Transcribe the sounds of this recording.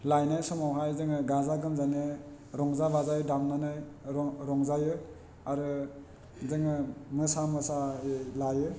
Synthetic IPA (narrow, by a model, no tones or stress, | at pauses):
lajnajsɔmawɦajzɯŋɯɡazaɡɯmzane | ɾɔŋzabazajdamnanajɾɔɾɔŋzajɯ | aɾɯ | zɯŋɯmɯsamɯsalajɯ